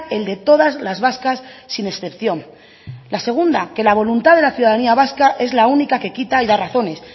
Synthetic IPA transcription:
e̞ld̪e̞t̪o̞ð̞azlazβaskasːine̞sθe̞pθjo̞ŋ | lase̞ɣ̞und̪ake̞laβ̞o̞lunt̪aðe̞laθjuðaðaniaβ̞askaʔe̞zlaunikake̞kit̪aiðaraθo̞ne̞s

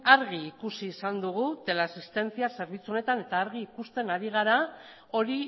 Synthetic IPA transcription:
aɾɣiːkusiːsand̪uɣut̪e̞lasist̪e̞nt͡siase̞ɾβ̞it͡suo̞ne̞t̪ane̞t̪aːɾɣiːkust̪e̞naɾiɣ̞aɾa | o̞ɾi

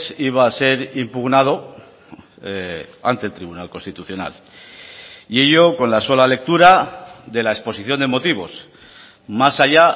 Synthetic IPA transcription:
siβ̞aːse̞ɾimpuɣnað̞o̞ | a̰nt̪e̞lt̪ɾiβunalko̞nst̪it̪uθjo̞na̰l | ie̞ʎo̞ko̞nlaso̞lale̞k̚t̪uɾaðe̞laespo̞siθjo̞nd̪e̞mo̞t̪iβ̞o̞s | masaʎa

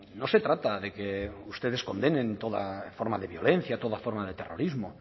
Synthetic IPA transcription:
no̞se̞t̪ɾat̪aðekeust̪eð̞e̞sko̞nd̪enẽ̞nt̪oða̰foɾmaðeβjo̞le̞n̟θjat̪o̞ðafoɾmaðet̪ero̞̰ɾizmo

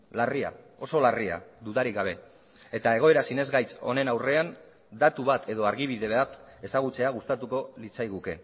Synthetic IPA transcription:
laria̰ | o̞so̞laria̰d̪uðaɾikɡaβ̞e̞ | et̪ae̞ɣ̞o̞e̞ɾasine̞zɣajt͡so̞̰ne̞nawre̞an | d̪at̪uβat̪ʰe̞ðo̞aɾɣiβiðe̞βat̪e̞saɣ̞ut͡se̞aɣ̞ust̪at̪uko̞lit͡sajɣuke̞̰

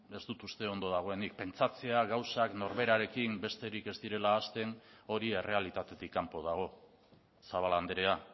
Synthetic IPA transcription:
e̞zd̪ut̪ust̪e̞o̞nd̪o̞ðaɣ̞o̞e̞nik̚pe̞nt͡sat͡se̞aɣawsakno̞ɾβe̞ɾaɾe̞kimbe̞st̪e̞ɾike̞zd̪iɾe̞laːst̪e̞no̞ɾie̞re̞alit̪at̪e̞t̪ikːampo̞ð̞aɣ̞o̞ | saβ̞aland̪eɾe̞a

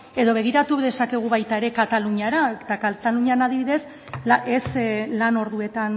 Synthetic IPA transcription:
e̞ðo̞β̞e̞ɣ̞iɾat̪uðe̞sake̞ɣ̞uβajt̪ae̞ɾe̞kat̪aluɲaɾat̪akat̪aluɲanaðiβiðe̞s | eslano̞ɾðue̞t̪an

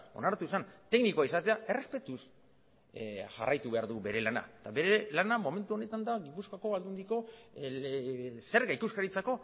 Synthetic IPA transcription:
o̞̰naɾt̪uesant̪e̞knikoaisat̪e̞ae̞re̞spe̞t̪us | ʝa̰rajt̪uβe̞aɾðube̞ɾe̞lana̰et̪aβe̞ɾe̞lanamo̞me̞nt̪uo̞ne̞t̪and̪aɡipuskako̞βald̪und̪iko̞ | se̞ɾɣaikuskaɾit͡sako̞

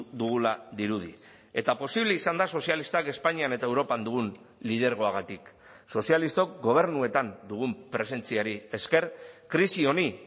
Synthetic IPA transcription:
d̪uɣulaðiɾuð̞ḭ | e̞t̪apo̞siβle̞isand̪aso̞sialist̪ake̞spaɲiane̞t̪aewɾo̞pand̪uɣ̞un | lið̞e̞ɾɣ̞o̞aɣ̞at̪ik | so̞sialist̪o̞kɡo̞β̞e̞ɾnue̞t̪and̪uɣ̞umpɾe̞se̞nt͡siaɾie̞ske̞ɾkɾisio̞ni

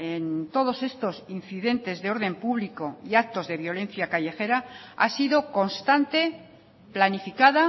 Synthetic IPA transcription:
ent̪o̞ðo̞se̞st̪o̞sin̟θiðe̞nt̪e̞zðeo̞ɾð̞e̞mpuβliko̞iak̚t̪o̞zðe̞βjo̞le̞n̟θjakaʝe̞xe̞ɾaa̰siðo̞ko̞nst̪ant̪e̞ | planifikaða

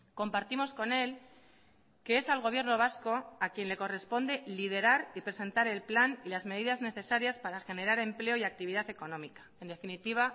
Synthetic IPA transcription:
ko̞mpaɾt̪imo̞sko̞ne̞l | ke̞e̞salɣ̞o̞βje̞ɾno̞β̞asko̞akje̞nle̞ko̞re̞spo̞nd̪e̞lið̞e̞ɾaɾipɾe̞se̞nt̪aɾe̞lplanilazme̞ð̞iðazne̞θe̞saɾjaspaɾaxe̞ne̞ɾaɾe̞mple̞o̞iak̚t̪iβiðaθe̞ko̞nõ̞mikḁe̞nd̪e̞finit̪iβ̞a

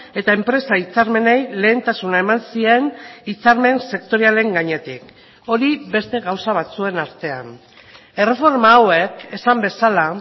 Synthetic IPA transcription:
e̞t̪aempɾe̞sait͡saɾme̞ne̞jle̞ːnt̪asunaemansie̞nit͡saɾme̞nse̞kt̪o̞ɾiale̞ŋɡaɲe̞t̪ik | o̞ɾiβe̞st̪e̞ɣawsaβ̞at͡sue̞naɾt̪e̞a̰n | e̞re̞fo̞ɾmaːwe̞ke̞sambe̞sala

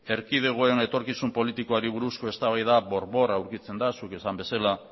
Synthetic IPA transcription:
e̞ɾkið̞e̞ɣ̞o̞e̞ne̞t̪o̞ɾkisumpo̞lit̪iko̞aɾiβ̞uɾusko̞e̞st̪aβajðaβo̞ɾβo̞rawɾkit͡se̞nd̪asuke̞sambe̞sala

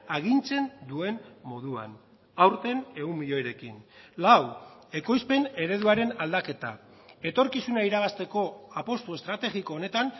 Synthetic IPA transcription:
aɣint͡se̞nd̪ue̞nmːo̞ðua̰n | awɾt̪e̞ne̞umːiʎo̞jɾe̞kinlawe̞ko̞jspe̞ne̞ɾe̞ðuaɾe̞nald̪ake̞t̪a̰ | e̞t̪o̞ɾkisunaiɾaɣast̪e̞ko̞apo̞st̪ue̞st̪ɾat̪e̞ɣiko̞ːne̞t̪an

